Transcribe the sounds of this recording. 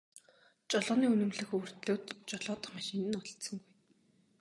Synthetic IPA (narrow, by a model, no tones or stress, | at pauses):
t͡ɕɔɮɔːniːɵnɵ̆mɮɘ̆xɵwɵ̆r̥t̪ɮoːt̪t͡ɕɔɮɔːt̪ə̥̆χmaʃɪːnɘ̆nɔɮt̪sɞ̆ŋɡuj